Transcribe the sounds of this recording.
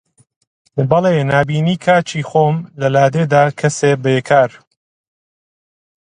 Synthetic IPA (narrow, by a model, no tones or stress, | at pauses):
bɐlˠenaːbiːniːkʰaːt͡ʃiːxoːmlɐlaːd̪eːd̪aːkʰɐseːbeːkʰaːɾ